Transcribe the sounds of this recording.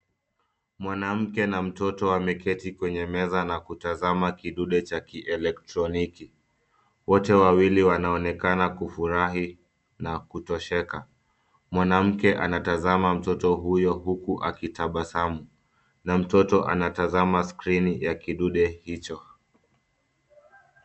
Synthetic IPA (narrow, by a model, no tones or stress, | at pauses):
mwanam̩kɛnam̩tɔtɔwamɛkʰɛtikwɛɲɛmɛzanakutazamakiɗuɗɛt͡ʃakiʔɛlɛk̚tɾɔniki | wɔtɛwawiliwanaɔnɛkanakufuɾaɦi | nakutɔʃɛka | mwanam̩kɛʔanatazamam̩tɔtɔɦujɔɦukuʔakitaɓasamu | nam̩tɔtɔʔa̰natazamaskɾinijakiɗuɗɛhit͡ʃɔ